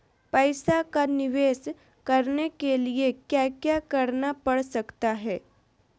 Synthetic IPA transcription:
pəjsakaniʋes | kəɾnekeliekjakjakəɾnapəɽsəkt̪aɦɛː

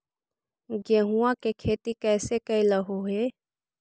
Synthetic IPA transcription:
ɡeɦuãkekʰeːt̪ikɛːsekəiləɦoɦe

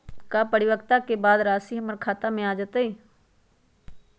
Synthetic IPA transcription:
kaːpəɽɪʋəkt̪akebaːd̪ɾaːsiɦməɾkʰaːt̪amẽaːd͡ʒat̪aiː

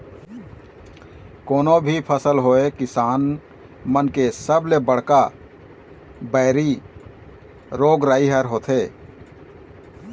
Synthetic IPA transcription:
koːnobʱipʰəsəlɦoekɪsaːn | mənkesəblebəɽ̤ka | bəɪɾi | ɾoːɡɾaːiɦəɾɦoːt̪ʰɦeː

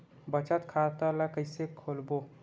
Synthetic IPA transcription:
bət͡ʃət̪kʰat̪əlakəɪsekʰolbo

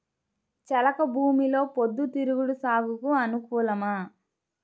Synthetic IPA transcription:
t͡ʃɐlɐkɐbʱuːmilo̞ːpod̪ːut̪iɾuɡuɽusaːɡukuɐnukuːlɐmɐ

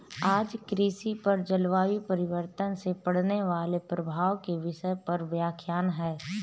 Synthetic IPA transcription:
aːd͡ʒkɾiːsipɐɾd͡ʒɐlʋaːʋipəɾɪʋəɾt̪ənsepɐɽ̤neʋaːlepɾɐbʱaːʋkeʋɪʃəjpɐɾʋjaːkʰjaːnɦɛː

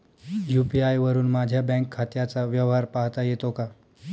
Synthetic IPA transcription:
jupiajʋəɾuːnmad͡ʑʱjabɛ̃ŋkʰːat̪jat͡saʋjəʋɦaɾpaɦt̪ajet̪oka

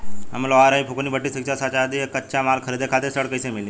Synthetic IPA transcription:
a̰mlɔʋaɾaipʰukonibəʈːisikt͡ʃʰasat͡ʃad̪iekətːʃamalkʰəɾid̪ekʰat̪eɾsəɽkəjsẽmeli

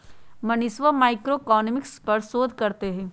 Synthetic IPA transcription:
mɐnɪsʋəmaːɪkɾoekɔːnəmɪkspɐɾsoːd̪ʱkɐɾt̪eɦɛ̃ː

